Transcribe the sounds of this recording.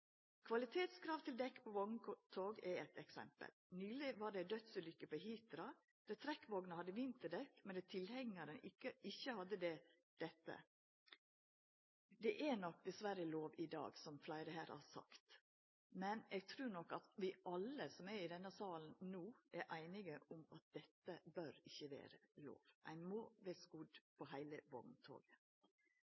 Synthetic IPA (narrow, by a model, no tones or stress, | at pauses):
kʰʋɑlɪt̪ʰeːt̪skʰɾɑːʋt̪ʰɪld̪ɛkːpʰoʋɔɡnət̪ʰoːɡɛɛt̪ɛksɛ̰mpə̰lnyːlɪʋɑɖɛd̪œt̪sʉlʏkːəpoɦiːt̪ɾɑ | d̪̥ɛt̪ʰɾɛkːʋɔɡnəhɑd̪ːəʋɪnt̪əɖɛkːmɛnd̪ɛt̪ʰɪlhɛŋːəɾənɪkːəɪçːəhɑd̪ːəd̪ɛ | d̪̥ɛt̪ːə̰ | d̪ɛʔænɔk̚ːd̪ɛsʋæɾəloːʋɪd̪ɑ̰ːɡsɔmflæɪɾəhæːɾ̰hɑsɑ̰kt̪ | mɛnɛːɡ̚t̪ʰɾʉːɾnɔkːɑt̪ʋɪʔɑlːəsɔmæɾɪd̪ɛnːəsɑːln̩nuːʔæɾʔæɪnɪɡəʔʊmɑt̪̚d̪̥ɛt̪ːəbœɾɪçːəʋḛːɾəlo̰ːʋʔæ̰ɪnmoːʋeskud̪pʰɔhæɪləʋɔ̰ɡnt̪ʰo̰ːɡə